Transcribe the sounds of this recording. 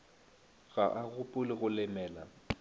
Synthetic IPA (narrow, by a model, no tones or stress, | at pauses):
ɣaʔaɣʊpʼʊlɪɣʊlɪmɛːla̰